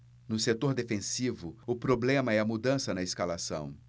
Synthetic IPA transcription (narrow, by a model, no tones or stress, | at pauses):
nʊset̪oɾd̪efẽsivʊʊpɾoblẽmɐɛɐmud̪ɐ̃sɐnɐɪskalasɐ̰̃w̃